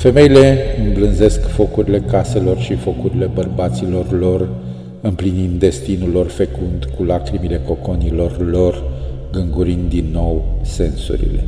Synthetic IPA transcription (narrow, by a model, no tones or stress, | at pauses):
fe̞me̞ile̞ɨmblɨnze̞skfo̞kuɾile̞kase̞lo̞rʃifo̞kuɾile̞bərbat̪silo̞rlo̞r | ɨmplinind̪d̪e̞st̪inulːo̞rfekund̪kulakɾimile̞ko̞ko̞nilo̞rlo̞rɡɨŋɡuɾind̪̚d̪inːo̞wse̞nsṵɾḭle̞̰